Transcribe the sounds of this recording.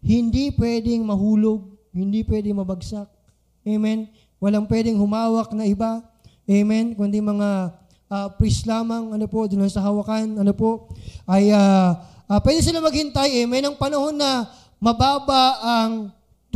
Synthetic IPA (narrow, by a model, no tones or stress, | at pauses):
hɪnd̪ipwɛːd̪ɪŋmɐhuːloɡ̚hɪnd̪ipwɛːd̪ɪŋmɐbɐɡsak̚ | ʔɛmɛn | wɐlaŋpwɛːd̪ɪŋhʊmaːwɐk̚nɐʔɪba | ʔɛmɛnkʊnd̪imɐŋa | ʔapɾislaːmɐŋɐnopo̞d̪ʊnonsɐɦɐwɐkanɐnopo̞ʔʔɐjaapwɛd̪ɪsɪlamɐɡ̚hɪnt̪ajʔɛmɛnɐŋpɐnɐho̞nːɐ | mɐbaːbɐɐŋ